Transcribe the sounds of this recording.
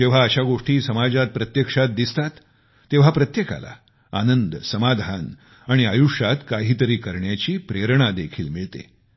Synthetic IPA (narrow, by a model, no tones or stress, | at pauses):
d͡ʑeʋ̤aəɕaɡoʂʈiːsəmad͡zat̪̚pɾət̪jekʂat̪̚d̪ist̪at̪ː | eʋ̤apɾət̪jeka̰la̰ | anənd̪səmad̪ʱan | aɽ̃iajuʂat̪kaɦiːt̪əɾiːkəɾɳjat͡ɕiːpɾeɾɳ̃ad̪ekʰiːlmiɭt̪ḛ